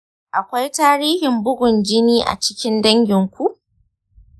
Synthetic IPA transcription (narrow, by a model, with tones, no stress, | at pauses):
ʔa˨kʷa˦jtaː˦ɾiː˦hɪ˨mbʊ˦ɡʷʊ˨nd͡ʒɪ˦niː˦ʔa̰˨t͡ʃɪ̥˦kʲɪ˦ndɐ˦ŋɡʲɪ˨ŋkʷu˦ʔ